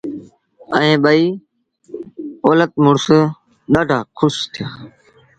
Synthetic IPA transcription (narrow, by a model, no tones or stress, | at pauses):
əẽːɓəiː | oːlət̪̚mʊɽs | ɗ̪əɖʱaːkʰʊst̪ʰɪjaː